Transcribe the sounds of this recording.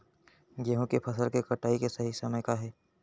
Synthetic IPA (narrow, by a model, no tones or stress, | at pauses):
ɡeːɦõkepʰɐsəlkekɐʈaːikesɐɦisɐməjkaɦɛː